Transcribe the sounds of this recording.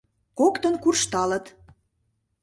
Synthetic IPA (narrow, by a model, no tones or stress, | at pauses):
kokt̪ə̆nkurʃt̪ɑlə̆t̪